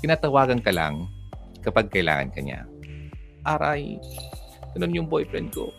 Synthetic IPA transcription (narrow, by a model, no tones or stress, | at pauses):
kɪnaːt̪ɐwaːɡɐnkɐla̰ŋkɐpaɡ̚kɐʔɪla̰ːŋɐ̰nkɐ̰ɲa̰ | ʔaːɾaj | ɡ̥ɐnonjʊŋbojpɾɛnd̪̚ko̰